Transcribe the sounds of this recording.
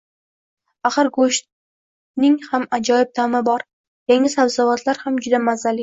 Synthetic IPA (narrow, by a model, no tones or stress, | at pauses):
aχɨɾɡoʃ | nɪŋhamad͡ʒɒjɪb̚t̪ʰamɪbɒɾ | jaŋɪsabzavat̪ʰlaɾhamd͡ʒʊd̪amazalɪ